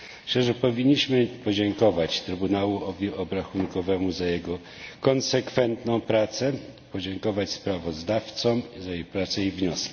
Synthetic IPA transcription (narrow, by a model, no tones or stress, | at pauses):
ʂt͡ʂɛʐɛpɔvʲiɲːiɕmɘpɔd͡ʑɛŋkɔvat͡ɕt̪ɾɘbunawuɔvʲiʔɔbɾaxunkɔvɛmuzajɛɡɔ | kɔnsɛkfɛnt̪nɔ̃w̃pɾat̪sɛpɔd͡ʑɛŋkɔvat͡ɕspɾavɔzd̪aft̪sɔmzajejpɾat̪sɛivɲɔskʲi̥